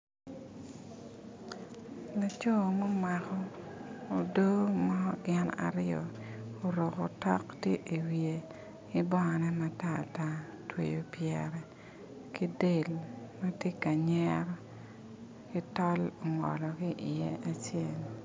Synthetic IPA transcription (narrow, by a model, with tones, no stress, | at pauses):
la˨t͡ʃo˦˨mo˦ma˨kɔ˦ | o˨do˦mɔ˦ɡɪ˦na̰˨ɾɪjɔ̰˨o˨ɾo˨ko˨tɔ̰˦ktje˦ʔi˨wje˨ | ɪ˦bɔ˦˨nɛ˦ma˦ta̰˦˨ta˦ | twḛ˨jo˨pjɛɾɛ˨ | ki˦de˦˨lma˦tje˦ka˨ɲɛɾɔ˦ | kɪ˦tɔ˦lo˨ŋɔ̰˨lɔ˨ɡi˦ʔɪ˨je˦a˦t͡ʃje˦l